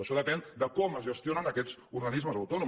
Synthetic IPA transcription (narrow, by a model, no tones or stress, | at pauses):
əʃɔðəpɛnd̪əkɔməzʒəst̪ionənəkɛzuɾɣənizməzəwt̪ɔnu